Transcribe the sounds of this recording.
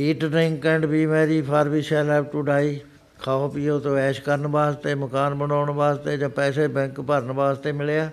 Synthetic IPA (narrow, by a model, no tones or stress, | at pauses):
iːʈnɪ̃ŋkɛ̃ːɳɖbiːmeːɾiːpʰəɾbiːʃɛːlɛːʋʈuːɖaːiː | kʰaːoːpiːoːt̪õːɛːʃkəɾnbaːst̪eːməkaːnbənaːɳbaːst̪eːd͡ʒãːpɛːseːbɛ̃ŋkpəɾnbaːst̪eːmɪleaː